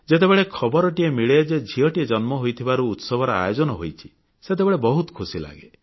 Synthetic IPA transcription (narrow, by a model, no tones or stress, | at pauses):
d͡ʒet̪̬ebeɭekʰɔbɔɾɔʈiemiɭeed͡ʒed͡ʒʱiɔʈied͡ʒɔnmɔɦojt̪ʰibaɾuːt̪sɔbʱɔɾɔa̰jod͡ʒɔnɔɦojt͡ʃʰi̥ | set̪̬ebeɭebɔɦut̪ɔ̥kʰusila̰ɡe